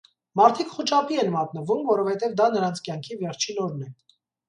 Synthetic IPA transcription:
mɑɾt̪ʰikχut͡ʃɑpiɛnmɑt̪nəvumvɔɾɔfhɛt̪ɛvd̪ɑnəɾɑnt͡sʰkjɑŋkʰivɛɾt͡ʃʰinɔɾnɛ

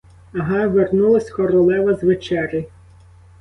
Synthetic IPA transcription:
ɐɦɑʋernulˠɐsʲkɔɾɔlˠɛʋɐzʋet͡ʃɛɾʲi

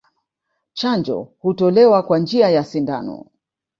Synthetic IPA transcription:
t͡ʃand͡ʒɔ̰hutɔlɛwakwand͡ʒiajasinda̰nɔ̰

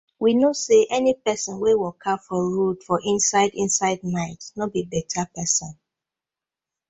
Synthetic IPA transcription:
winoseʔɛnipɛsɔ̃nwewɔkʰafɔɹudfɔʔĩnsaɪdĩnsaɪd̚naɪtnobibɛtʰapɛsɔ̃n

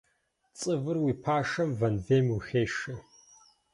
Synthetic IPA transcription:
t͡sʼɨvɨrwiːpʰaːʂɐmvɐnveːmwixeːʂɨ

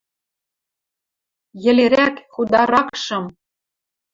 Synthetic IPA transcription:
jɘ̆leɾækxud̪ɑɾɑkʃɤ̆m

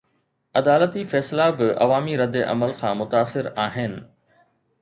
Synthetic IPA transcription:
ɐd̪aːlət̪ifɛːslabɪɐ̰ʋaːmiɾɐd̪eʔɐ̰məlkʰãːmʊt̪aːsːɪɾaːɦɪnɪ̆

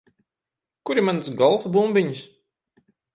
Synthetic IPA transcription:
kuɾimansɡɔlˠfsbumbiɲis

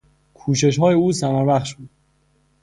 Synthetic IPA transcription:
kʰuːʃe̞ʃɦɒːjeuːsæmæɾbæχʃbuːd̪̥̚

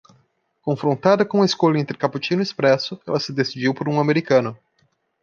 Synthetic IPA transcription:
kõfɾõnt̪ad̪ɐkõũɐeskolɐẽnt̪ɾɪkaput͡ʃinʊispɾɛsʊɛlɐsɪd̪esid͡ʒiwpoɾũameɾikɐ̃nʊ

